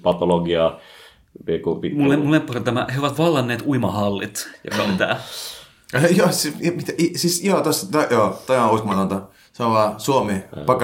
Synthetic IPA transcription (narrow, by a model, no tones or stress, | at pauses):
pɑt̪oloɡiɑ | pikupimulːemulːempːuset̪æmæ̰heoʋɑt̪ʋɑlːɑnːeːt̪uimɑhɑlːit̪jɑ̰kɑt̪æ̰ː | jɑːsimit̪æisisot̪ost̪ɑjoːt̪ɑjɑ̃uist̪mɑˑt̪ɑnt̪ɑ | sɑnoʋɑːsuomeɑk